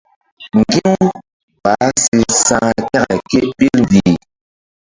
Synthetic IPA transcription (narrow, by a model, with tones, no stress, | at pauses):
ŋ̩˨ɡi˦ŋ˦ | ba˨˦si˨sa˨ŋa˨ta˦ɣa̰˨ki˦ʔbi˦ln̩˨di˨